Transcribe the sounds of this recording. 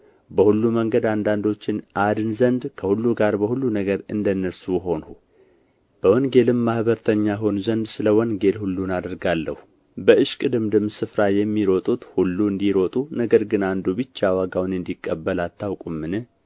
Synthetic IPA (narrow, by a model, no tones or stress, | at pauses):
bəhulːuməŋɡəd̪and̪and̪o̞t͡ʃːɪnʔad̪ɨnzənd̪kʰəhulːuɡaɾbəhulːunəɡəɾɨnd̪ənːəɾsujɦo̞nu | b̥əwɔnɡe̞lɨmːahbəɾt̪ʰəɲːaɦo̞nzənd̪sɨləwɔnɡe̞lhulːunad̪əɾɡalːə̰hu | bəɨʃkʼɨd̪ɨmd̪ɨmsɨfɾajɛmːiɾo̞t̪ʼut̪hulːuɨnd̪iɾo̞t̪ʼunəɡəɾɡɨnand̪ubɨt͡ʃːawaɡawnɨnd̪ikʼːəbːəlat̪ʰːawkʼumːɨnɨ